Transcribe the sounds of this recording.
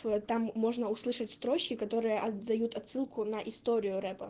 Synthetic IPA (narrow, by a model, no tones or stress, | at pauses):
t̪amːo̞ʐnəʊslˠɨʂətʲst̪ɾo̞t͡ɕkʲɪkɐt̪o̞ɾɨjəʔɐɐjut̪ɐt̪sɨlˠkʊnɐʔɪst̪o̞ɾʲɪjʊɾɛpə